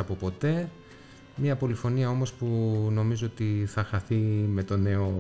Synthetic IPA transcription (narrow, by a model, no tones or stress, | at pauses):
ɐpopo̞t̪e̞ | mɲɐpo̞lifo̞niɐo̞mo̞spuno̞mizoot̪iθɐxɐθime̞t̪o̞ne̞o̞